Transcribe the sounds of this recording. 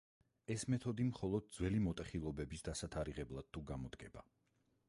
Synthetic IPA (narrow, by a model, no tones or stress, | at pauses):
ɛsmɛt̪ʰɔd̪imχɔlˠɔd̪̚d̪zwɛlimɔt̪ʼɛχilˠɔbɛbisd̪asat̪ʰaɾiʁɛblˠad̪̥̚t̪ʰːuɡamɔd̪ɡɛba